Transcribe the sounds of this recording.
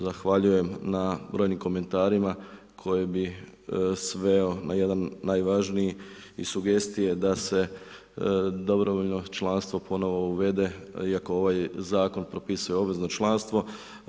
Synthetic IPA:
zaxʋaʎuje̞mnabɾo̞jnimko̞me̞nt̪aːɾima | kʰo̞jebi | sʋe̞o̞naje̞d̪anːaːjʋaʒnijiḭsuɡe̞st̪ije̞d̪ase̞ | d̪o̞bɾoʋoʎno̞t͡ʃlˠanst̪ʋo̞pʰo̞no̞ʋo̞uʋe̞d̪e̞iako̞o̞ʋajzaːko̞npɾo̞pisujeobʋe̞zno̞t͡ʃlˠanst̪ʋo̞

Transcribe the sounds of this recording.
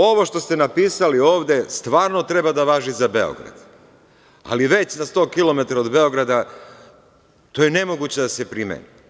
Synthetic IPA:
o̞ʋo̞ʃt̪o̞st̪e̞napiːsalio̞ːʋd̪e̞st̪ʋaːɾno̞t̪ɾe̞bad̪aʋaːʒizabe̞o̰ɡɾa̰d̪̥ | a̰liʋe̞t͡ɕnast̪o̞ːkilo̞me̞t̪aɾaod̪be̞o̞ɡɾad̪a | t̪o̞jene̞mo̞ɡut͡ɕe̞d̪ase̞pɾimḛni

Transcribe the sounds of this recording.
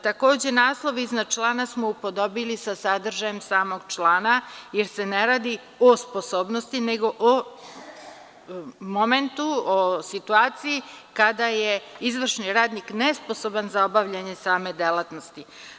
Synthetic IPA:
t̪ako̞ːd͡ʑe̞naːslˠo̞ʋiiznat͡ʃlˠaːnasmoupo̞d̪o̞bilisasad̪r̩ʒaje̞msaːmoɡt͡ʃlˠaːnajeɾse̞neɾaːd̪i | ospo̞soːbno̞st̪ineɡo̞ʔo | mo̞me̞nt̪uosit̪uaːt̪sijikad̪ajeizʋr̩ʃniɾaːd̪niknespo̞so̞banzao̞baʋʎaɲe̞saːme̞d̪elˠat̪no̞st̪i

